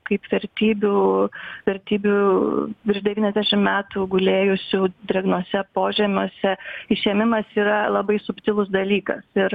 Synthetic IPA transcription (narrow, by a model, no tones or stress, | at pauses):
kɐɪpʋʲɛɾʲt̪ʲiːbʲuːʋʲɛɾʲt̪ʲiːbʲuːpʲɪʒd̪ʲɛʋʲiːnʲɛzd̪ʲæʃʲɪmmʲæːt̪uːɡʊlʲeːjʊsʲuːd̪ʲɛɡnoɔsʲɛpoːʒʲɛːmʲuɔsʲɛɪʃʲɛːmʲɪmɐsiːɾɐlˠɐbɐɪsʊpʲt̪ʲɪlˠʊsd̪ɐlʲiːkɐ̰sɪɾ